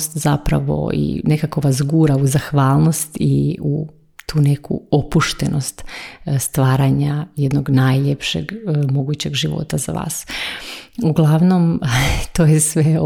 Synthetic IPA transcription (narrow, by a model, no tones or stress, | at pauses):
st̪zapɾa̰ʋo̰ḭne̞kako̞ʋazɡuːɾauzaxʋaːlˠno̞st̪iu | t̪uːnekṵopuʃt̪ḛno̞st̪st̪ʋaːɾaɲajed̪noɡnajʎepʃḛɡmo̞ɡut͡ɕe̞ɡʒiʋo̰t̪aza̰ʋa̰ːs | uɡlˠaʋno̞mt̪oːjesʋe